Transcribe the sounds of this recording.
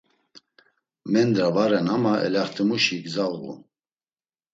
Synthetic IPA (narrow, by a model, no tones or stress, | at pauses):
mɛnd̪ɾavaɾɛnamaʔɛ̰laχt̪ʰimuʃiɡzalɣṵ